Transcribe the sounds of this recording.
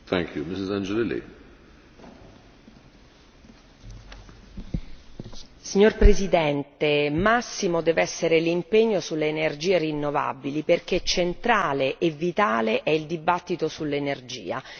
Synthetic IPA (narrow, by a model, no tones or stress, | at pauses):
θɛ̃ŋkʰjumɪsɪzãnd͡ʒelelḛ | siɲːorpɾezid̪ɛnt̪emasːimod̪ɛːvɛsːeɾelimpeɲːosulːeːnerd͡ʒiːerinːova̰biliperk̟et͡ʃːent̪ɾaːleʔːvːit̪aːleʔɛild̪ibat̪ːit̪osulːenerd͡ʒḭːa̰